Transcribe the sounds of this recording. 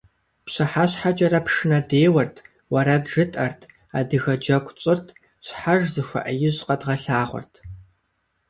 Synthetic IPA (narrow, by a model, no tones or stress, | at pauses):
pɕɐħaɕħad͡ʒʼɐɾɐpʂɨnɐdeːwɐrtʰ | wɐɾɐbʒɨtʼɐrtʰ | a̰ːdɨɣɐd͡ʒɐkʷʼt͡ʃʼɪrtʰ | ɕʷħaʒzɨxʷɐ̰ʔɐjɪʑqɐdʁɐɬaːʁʷʊ̰rtʰ